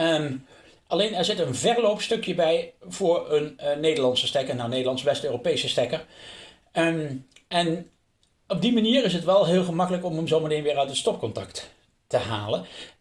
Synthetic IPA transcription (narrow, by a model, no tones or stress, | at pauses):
ʔɑlejnɛɹzɪtənvɛɹlowpstɵkjəbɛjv̥ʊːɹənnejdəɹlɑntsəstɛkənawnejdəlɑntsʋɛstøːropejsəstɛkəɹ | ɛn | ɔb̚dimaniːɹɪs̬ətʋɛlˠɦɪːlˠχəmɑkələkɔməmzowmətejnʋɪːɹœɥtətstɔp̚kɔntɑkt | təɦaːlən